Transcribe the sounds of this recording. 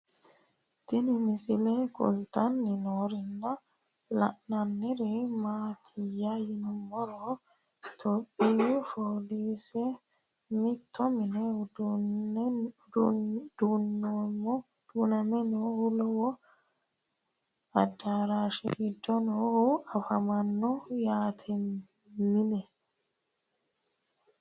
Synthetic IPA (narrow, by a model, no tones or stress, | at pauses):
t̪ɪnɪmɪsɪlekɔ̰lt̪anːɪnoːɾɪnːɐ | lɐ̰ʔnɐnːɛɾɛmaːt̪ʰɪjajɪnʊmɔɾo | t̪ʰɔpʼːijufoːliːsɛ | mɪt̪ʰːɔmɪned | d̪unːomɔ | d̪̥uːnɐmɛnohulɔwɔ | ɐ̰d̪ːaɾaːʃḭid̪ɔnɔhuɐfɐmɐnːɔjaːt̪ʰɛ | mɪnɛ